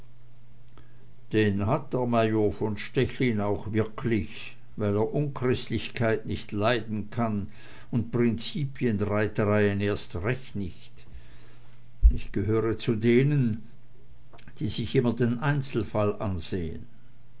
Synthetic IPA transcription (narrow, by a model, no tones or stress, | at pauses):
d̥eːnhat̚d̥eɐmaɪjoːfɔnʃtɛçliːnaʊxvɪɐkʰlɪç | vaɪleːɐʔʊnkʁ̥ɪstlɪçkʰaɪtnɪçtlaɪdn̩kʰan | ʊnt̚pʁ̥ɪnt͡siːpʰjənʁaɪtəʁaɪəneːɐstʁɛçtnɪçt | ɪçɡ̥əɦøːʁət͡sudeːnən | d̥iːzɪçʔɪmɐdeːnʔaɪnt͡sl̩falʔa̰nz̥eːə̰n